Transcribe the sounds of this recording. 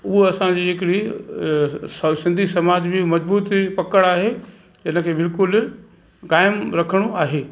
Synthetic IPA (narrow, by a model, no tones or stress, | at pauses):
ʊɦoɐsãd͡ʑiːɦɪkɪɽi | sɐsɪ̃nd̪ʱisɐmaːd͡ʑbɪmɐd͡ʑbuːt̪pɐkəɽaːɦe | d͡ʑɐnə̆kʰeːbɪlkʊl | kaːɪmɾɐkʰəɽ̃oaːɦeː